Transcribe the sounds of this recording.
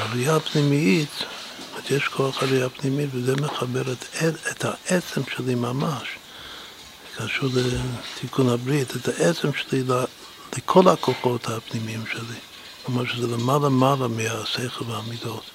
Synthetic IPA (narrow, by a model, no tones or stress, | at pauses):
aɾijapnimiit̪ | azjeʃkʰoaχalijapnimitvezɛmeχabeɾetethaʔet͡semʃelimamaʃ | kʰaʃuɾletʰikʰunhabɾitetaʔet͡semʃelila | lekʰolakoχo̞thapnimiimʃeli | mamaʃezɛlemalamalameasejχelveaːmidot̪